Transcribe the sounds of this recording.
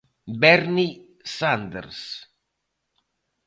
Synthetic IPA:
bɛɾni | sand̪ḛɾs

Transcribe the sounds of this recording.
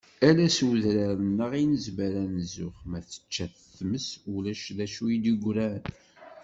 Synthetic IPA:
ælæswðɾaɾənːəʁinəzməɾænzʊχmæθə̥t͡ʃːæθ | θməsulæʃðæʃuid̪iɡʷɾæn

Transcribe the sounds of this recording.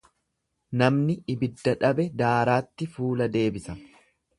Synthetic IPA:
nɐmnɪːbɪd̪ːɐᶑɐbɛd̪aːɾaːt̪ːɪfuːlɐd̪e̞ːbɪsɐ

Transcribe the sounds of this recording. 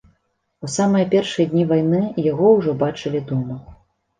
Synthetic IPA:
usamɨjɐpʲɛrʂɨjɐd̪ʲnʲivajnɨjaɣɔwʐɔbat͡ʂɨlʲid̪ɔmɐ

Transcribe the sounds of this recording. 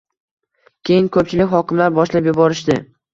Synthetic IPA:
kʲʰe̞jɪŋkʰɵp̚t͡ʃʰɪlɪkʲhɒkʲɪmlaɾbɒʃlapjʊbɒɾɪʃd̪ɪ

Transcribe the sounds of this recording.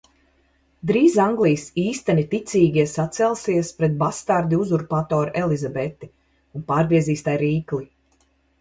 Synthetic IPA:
d̪ɾiːzaŋɡlˠijsiːst̪ɛnit̪it̪sʲiːɡʲiɛsat̪sɛlˠsiɛspɾɛt̪̚bast̪aɾd̪iuzuɾpat̪ɔːɾʔɛlˠizabɛt̪i | unpaːɾɡɾiɛziːst̪ajɾiːklˠi

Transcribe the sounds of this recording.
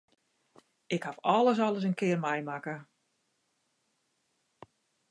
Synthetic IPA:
ɪkhafɔləs̬ɔləs̬ənkɪərmɛjmakə

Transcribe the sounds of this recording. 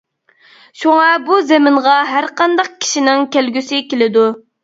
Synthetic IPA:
ʃoŋɑbuzɛmɪɴʁɑɦæɾqɑnd̪ɑq̚kʲʰi̥ʃinɪŋkʲælɡʲysɪkʲelɪd̪u

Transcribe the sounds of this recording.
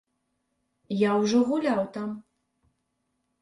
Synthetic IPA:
jawʐɔɣulʲawt̪am

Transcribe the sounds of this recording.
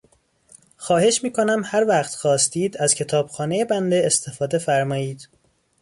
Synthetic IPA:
xɒːhe̞ʃmiːkʰo̞næmhæɾvæχt̪xɒːst̪iːd̪æz̥cʰe̞t̪ʰɒːb̥xɒːnejebænd̪eːst̪ʰe̞fɒːd̪e̞fæɾmɒːiːd̪̥

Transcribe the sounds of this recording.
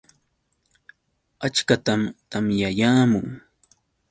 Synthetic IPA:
at͡ʃkat̪amt̪amjajaːmʊŋ

